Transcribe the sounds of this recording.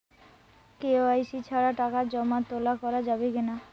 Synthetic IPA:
keoajsit͡ɕʰaɾaʈakaɾd͡ʑɔmat̪ɔlakɔɾad͡ʑabekina

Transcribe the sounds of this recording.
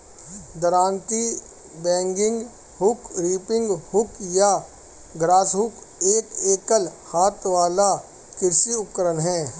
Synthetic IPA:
d̪əɾaːnt̪i | bɛ̃ːŋɡɪ̃ŋɡ | ɦʊkɾiːpɪ̃ŋɡhʊkja | ɡɾaːsɦʊk | eːkeːkəlhaːt̪ʋaːla | kɪɾsiʊkːəɾənɦɛ̃ː

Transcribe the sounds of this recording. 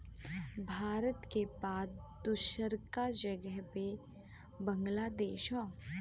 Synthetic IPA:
bʱaːɾət̪kebaːt̪ | d̪ʊʃəɾkad͡ʒɐɡəɦpe | bə̃ŋɡlaːd̪eːʃɦõː

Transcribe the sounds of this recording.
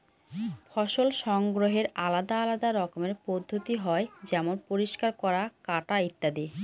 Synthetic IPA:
fɔʃolʃɔŋɡɾoɦeɾalad̪aalad̪aɾɔkomeɾpod̪ʱːot̪iɦɔed͡ʑɛmonpoɾiʃkaɾkɔɾakaʈait̪ːad̪i

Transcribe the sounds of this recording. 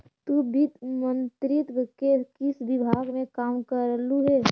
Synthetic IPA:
t̪ubʱit̪mə̃nt̪ɾɪt̪wəkekɪsʋɪbʱaːɡmẽkaːmkəɾluɦɛː

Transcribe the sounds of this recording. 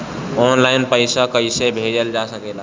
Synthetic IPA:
ɔnlainpəɪsakəɪsebʱed͡ʒəld͡ʒasəkela

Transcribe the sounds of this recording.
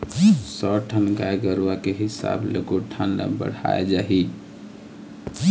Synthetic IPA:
sɔʈʰənɡajɡəɾwakeɦɪsa̰blekoʈʰanːa̰bə̰ɽ̤a̰ed͡ʒaɦi

